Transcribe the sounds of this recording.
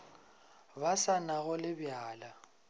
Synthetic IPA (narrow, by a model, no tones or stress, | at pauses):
basanaɣʊlɪbjaːla